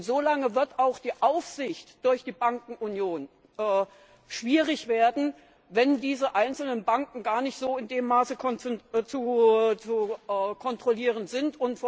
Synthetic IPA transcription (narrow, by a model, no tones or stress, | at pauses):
ntz̥oːlaŋəvɪɐtaʊxd̥iːʔaʊfz̥ɪçtd̥ʊɐçd̥iːbaŋkŋ̩ʔunjoːn | ʔɛː | ʃv̥iːʁɪçv̥eːɐdn̩ | vɛndiːzəʔaɪnt͡sl̩nənbaŋkŋ̩ɡaːɐnɪçtz̥oːɪndeːmːaːsəkʰɔnt͡sut͡sukʰɔntʁ̥oliːʁ̞ənzɪntʊntf